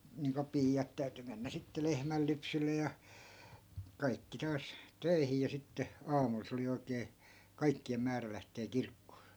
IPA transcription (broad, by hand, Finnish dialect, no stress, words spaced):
niːŋko piːjɑt tæyty menːæ sitːe lehmælːypsylːe jɑ kɑikːi tɑːs tøi̯hi jɑ sitːe ɑːmul se oli oikeː kɑikːiem mæːræ læhteː kirkːoː